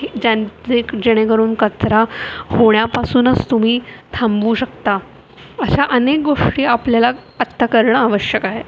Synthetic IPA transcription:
d͡ʑat͡sekd͡ʑeɽ̃ekəɾuːnkət͡sɾahoɳ̃japasuːnət͡st̪um̤iːt̪ʰãmbʋuːɕəkt̪a | əɕaʔənek̚ɡoʂʈiːapljalaət̪ːəkəɾɳəaʋəɕjəkaɦe

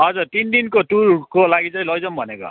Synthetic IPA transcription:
ɦʌd͡zurt̪ind̪inkot̪ulkolaɡit͡saj̃lʌjd͡zʌmbʱʌneko̰

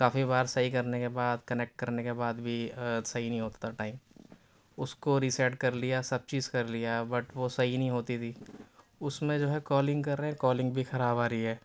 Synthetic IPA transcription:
kaːfibaːɾsɐɦikɐɾnekebaːd̪kɐneːk̚ʈ̚kɐɾnekebaːd̪bʱisɐɦinə̃ɦĩɦoːt̪ḁt̪ʰaʈaːɪm | ʊskoɾiːsɛːʈkɐɾlijasɐb̚t͡ʃiːzkɐɾlijabɐʈʋosɐɦinɐɦĩɦoːt̪it̪ʰiː | ʊsmẽd͡ʒoːɦɛkɔːlɪ̃ŋɡkɐɾːeɦɛ̃kɔːlɪ̃ŋɡbʱixɐɾaːbaːɾiɦɛː

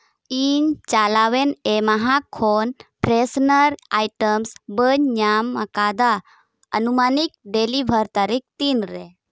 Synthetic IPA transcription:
iɲt͡ʃalaʋenemaɦakʰːonpɾesnəɾaːjʈəmsbəɲɲamːɐ̰kaːd̪a | ə̰numaːnik̚ɖelibʱəɾt̪aɾik̚t̪inɾe

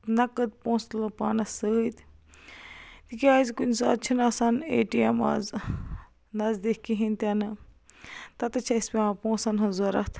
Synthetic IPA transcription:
nɐkɐd̪̚põːst̪lɐpaːnɐsəːt̪ | t̪ikiaːzkunʲsaɐt̪̚t͡ʃʰinaːsanḛːʈiema̰z | nɐzd̪ehkiɦint̪ʲanɨ | t̪ɐt̪ɐt͡ʃʰɐispʲeapõːsanɦɐzoɾɐ̰t̪ʰ

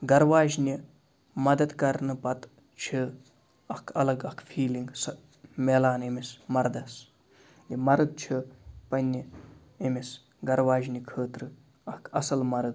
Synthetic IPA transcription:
ɡɐɾʋaːʒnʲi | mɐd̪ɐd̪kɐɾnɨpɐt̪ | t͡ʃʰi | ɐkʰɐlɐɡɐkʰfʰiːliŋɡsɐ | meːlaːnimismɐɾd̪ɐs | imɐɾɨɡ̪̚t͡ʃʰipɐnʲːi | imis | ɡɐɾʋaːʒnikʰəːt̪ɾɨ | ɐkʰɐsɐlmɐɾɨɡ̪

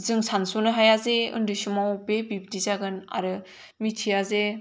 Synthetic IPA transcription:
zɯŋsansonɯɦajazeɯ̰ndɯsumawbebib̚dizaɡɯna̰ɾɯ | mitʰiaze

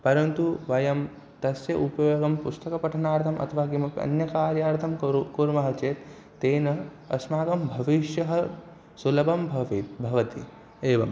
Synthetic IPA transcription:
pɐɾɐnt̪uʋɐjɐm | t̪ɐsjɐʔupɐjoːɡɐmpust̪ɐkɐpɐʈʰɐnaːɾt̪ʰɐmʔɐ̰t̪ʰɐʋaːkimɐpɐ̰njɐkaːɾjaːɾt̪ʰɐmkuɾmɐɦɐt͡ʃeːt̪ː | eːnɐ | ɐ̰smaːɡɐmbʱɐʋiʃjɐɦɐ | sulɐbɐmbʱɐʋit̪bʱɐʋɐt̪i | eːʋɐm

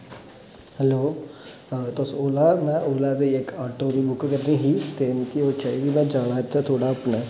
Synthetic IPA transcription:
hɛloː | t̪osoːlaːmɛ̃ːʔoːlaːd̪eɪkaːʈoːɾiːbʊkkəɾniːɦiːt̪eːnkioːt͡ʃaːiːɡiːmɛ̃ːd͡ʒaːɽ̃aːɪt̪ːaːt̪ʰoːɽaːəpnaː

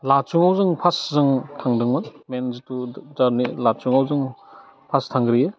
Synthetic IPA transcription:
lat͡ʃuŋawzɯŋpʰaszɯŋtʰaŋdɯŋmanmenzituzaɾnilat͡ʃuŋawzɯŋ | pʰastʰaŋɡɾije

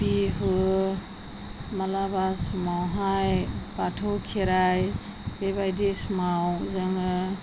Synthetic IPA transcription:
biɦɯ | malabasmɔwɦajbatʰɔkʰeɾaj | bebajdesmawzɯŋɯ

